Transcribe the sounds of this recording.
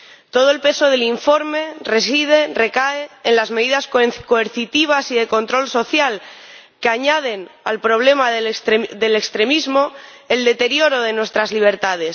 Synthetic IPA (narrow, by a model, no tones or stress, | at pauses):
t̪o̞ðoe̞lpe̞so̞ð̞e̞liɱfo̞ɾme̞re̞s̬ið̞e̞re̞kaeːnlazme̞ðiðaskkoeɾθit̪iβ̞asiðe̞ko̞nt̪ɾo̞lso̞θjal | keaɲað̞e̞nalpɾo̞β̞le̞maððe̞lekst̪ɾe̞mizmo̞ | eld̪e̞t̪e̞ɾjo̞ɾo̞ð̞e̞nwe̞st̪ɾazliβ̞e̞ɾt̪að̞e̞s